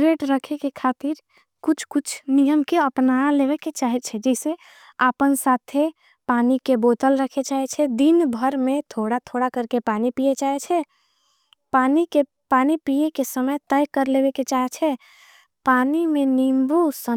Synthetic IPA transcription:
ɾeʈɾəkʰekekʰat̪iɾ | kʊt͡ʃʰkut͡ʃʰnijəmkeəpnaleβeket͡ʃaɦɛt͡ʃʰɛd͡ʒɛse | apənsat̪ʰe | panikebot̪əlɾəkʰet͡ʃaɦɛt͡ʃʰɛd̪inbʱəɾmẽt̪ʰoɽat̪ʰoɽakəɾkepanipijet͡ʃaɦɛt͡ʃʰɛ | panike | panipiekesəməjt̪əjkəɾlebeket͡ʃaɦɛt͡ʃʰɛ | panimẽnimbusə

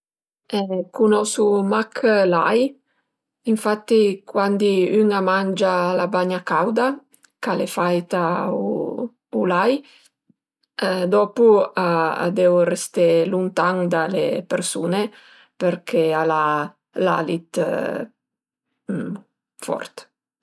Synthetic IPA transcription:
ɛkunɔsumakʰlaj | iɱfat̪ːikwand̪iyŋamand͡ʒalabaɲakawd̪a | kalefajt̪au | ulaj | d̪ɔːpuaa̰d̪ɛwrest̪elunt̪aŋd̪alḛpeɾsuːne | peɾkʰeala | la̰lit̪ | fɔ̰rt̪

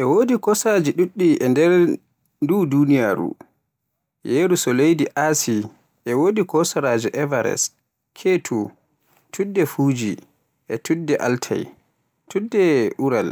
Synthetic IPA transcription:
ʔɛwoːdikɔsad͡ʒiɗuɗːiʔɛndɛɾ | dudunijaɾṵ | jeːɾusɔlejdiʔasi | ʔɛwoːdikɔsaɾad͡ʒiʔɛvaɾɛ̰s | kʰetʰu | tʰudːɛfuːd͡ʒi | ʔɛtudːɛʔaltʰa̰j | tudːɛʔuɾa̰l

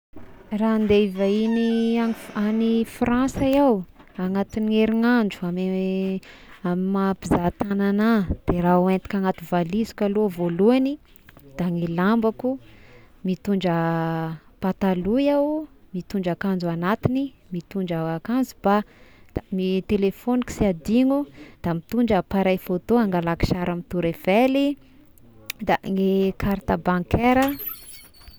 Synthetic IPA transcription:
rand̪eivainianianifrãnsajawaŋat̪ineɾiŋaɳɖ͡ʐu̥am | amimapizat̪ananad̪̥erauent̪i̥kʲaŋat̪uvalizi̥kʲalovoluani | d̪̥aŋilambaku | mit̪uɳd͡ʒə | pat̪alujawmit̪uɳd͡ʒakand͡zuanat̪ini | mit̪uɳd͡ʒaakand͡zub̥ad̪̥amit̪elefoniki̥siad̪iŋud̪̥amit̪uɳɖ͡ʐəpaɾajfot̪oaŋɡalaki̥ʃaɾamit̪uɾev̥eli | d̪aŋekʰaɾt̪abaŋkeɾə

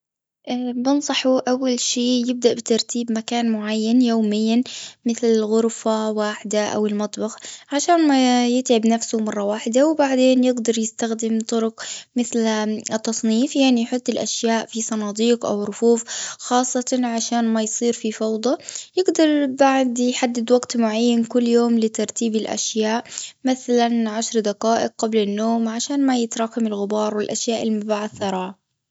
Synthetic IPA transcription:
ʔbɪnsˤɑħuʔawːalʃiːjɪb̚d̪aʔbɪt̪ɑɾˤt̪ʰiːbmakaːnmʊʕajːanjoːmɪjːanmɪθlɪlɣʊɾfawaːħɪd̪aʔa̰wɪlmɑt̪ˤbɑxʕaʃaːnmajɪt̪ʕɪbnafsʊmɑrˤːɑwaːħɪd̪awbaʕd̪eːnjɪɡd̪ɑɾˤjɪst̪axd̪ɪmt̪ˤʊɾʊqmɪθlt̪ːɑsˤniːfjaʕnijħʊt̪ˤːɪlʔaʃjaːʔfisˤɑnɑːd̪iːqʔa̰wɾʊfuːfxɑːsˤːɑt̪ɑʕaʃaːnmajsˤiːɾfifɑwd̪ˤɑjɪɡd̪ɑɾˤbaʕd̪jħad̪ːɪd̪waɡt̪mʊʕajːankʊlːjoːmlɪt̪ɑɾˤt̪iːbɪlʔa̰ʃjaːʔmɪθalanʕaʃɾd̪aqaːʔɪq̚ːablanːoːmʕaʃaːnmajɪt̪ɾˤɑːkamɪlɣɪbɑːɾˤwɪlʔaʃjaːʔɪlmʊbaːʕad̪θɑɾˤɑːʕa

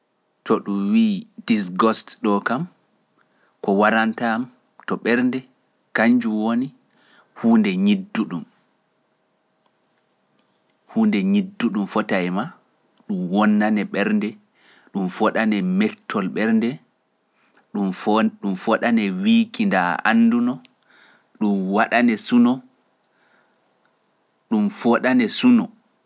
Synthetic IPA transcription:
tɔɗumwiːdisɡɔstɗɔkam | kɔwaɾantam | tɔɓɛɾndɛ | kaɲd͡ʒuwoni | huːndɛɲidːuɗum | huːndɛɲidːuɗumfɔtajma | ɗumwɔnːanɛɓɛɾndɛ | ɗumfɔɗanɛmɛtʰːɔlɓɛɾndɛ | ɗumɗumfɔɗanɛwiːkindaa̰nːdunɔ | ɗumwaɗanɛsunɔ | ɗumfɔɗanɛsunɔ

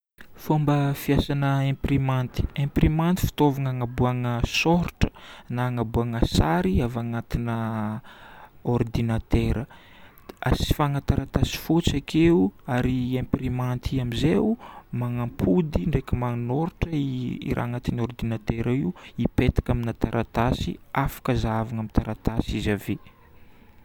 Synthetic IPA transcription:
fombəfiasanəẽmprimant̪i̥ẽmprimant̪i̥fi̥t̪ovaŋaŋabuaŋəsɔɾʈ͡ʂə̥naŋabuaŋasaɾiavaŋat̪inə | ord̪inat̪eɾə | a̰si̥faŋat̪aɾat̪asi̥fot͡sakʰeuaɾiempiɾimant̪ʰiamizewumaŋampʰud̪iɳɖ͡ʐekəmaŋnoɾʈ͡ʂəḭɾʔa̰ŋat̪inord̪inat̪eɾaiuipet̪ḁkaminat̪aɾʔat̪asḭafḁkəzavaŋamit̪aɾat̪asizave

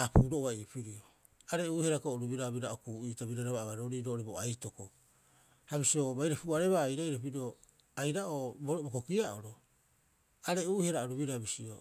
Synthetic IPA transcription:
apuːɾo̞oβaipiɾio | aɾe̞uːheɾakoʔɾubiɾaβiɾaokuːʔiːtaβiɾaɾaβaaβaɾo̞ɾiɾoʔɾeboajto̞ko | haβisio̞βajɾapuaɾe̞βaːjɾaiɾap̬iɾio | ajɾaʔobobokokiaʔo̰ɾo̞ | aɾe̞uhe̞ɾaoɾubiɾabisio̰

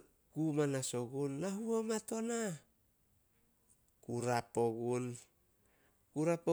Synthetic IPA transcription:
kumanaso̞ɡunːaɦuomato̞na | kuɾapo̞ɡun | kuɾapo

